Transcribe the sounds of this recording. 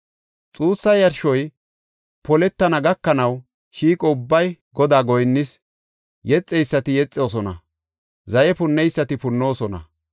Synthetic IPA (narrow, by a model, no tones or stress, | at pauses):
t͡sʼuːsːɐjɐɾʃɔj | pɔlɛt̪ːɐnɐɡɐkːɐnɐw | ʃiːkʼɔʊbːɐjɡɔd̪aːɡɔjnːɪs | jɛt͡sʼːɛjsːɐt̪ɪjɛt͡sʼːɪoːs̬ɔnɐ̰ | zɐjɛpʊnːɛjsːɐt̪ɪpʊnːo̞ːsɔnɐ̰